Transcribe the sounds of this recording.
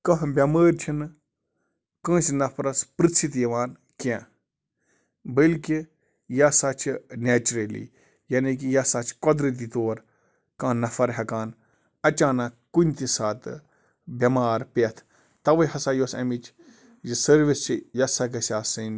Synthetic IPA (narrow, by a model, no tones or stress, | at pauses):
kɐɦbʲjɐməːɾt͡ʃʰin | kə̃ːsnɐpʰɾɐspɾɨsʰit̪jɐʋaːn | kẽː | bəlki | jasat͡ʃʰineːt͡ʃuɾelḭː | jɐnikijɐsat͡ʃʰkɔd̪ɾit̪̬it̪oːɾ | kɐ̃nɐfɐɾɦʲɐkaːn | ɐt͡ʃaːnɐkkːunʲt̪isaːt̪ɨ | bʲɐmaːɾpeɐt̪ʰ | t̪ɐʋɐɦɐsaːjoːsɐ̰mit͡ʃ | jisɐɾʋist͡ʃʰijɐsɐkɐsʲaːsɐn